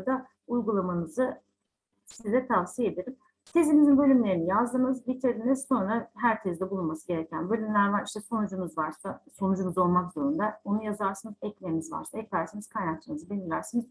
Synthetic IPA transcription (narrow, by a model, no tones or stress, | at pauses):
d̪a | ujɡulˠamanɯzɯ | sizd̪ɛt̪ʰavsijed̪eɾim | t̪ʰe̞zimizinbø̞lʲymlʲe̞ɾinijazd̪ɯmɯzbit̪ʰeziniz̥so̞nɾaɦæɾcʰɛzd̪ɛbulˠunmasɯɟe̞ɾɛcʰænbø̞lʲymlʲæɾvaɾiʃt̪ʰɛso̞nɯd͡ʒɯmɯzvaɾsaso̞nɯd͡ʒɯmɯzo̞lˠmakzo̞ɾund̪aonujazaɾsɯnɯzɛclʲemizva̰ɾsaɛclʲæɾsanɯz̥kʰajnak̚t͡ʃʰɯnɯzɯbilʲiɾlʲæɾsinɯz̥